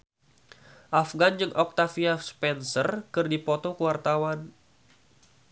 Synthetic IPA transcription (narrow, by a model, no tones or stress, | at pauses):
ʔafɡand͡ʒɨŋʔɔk̚t̪afiaspɛnsərkɨrdipɔt̪ɔkəwart̪awan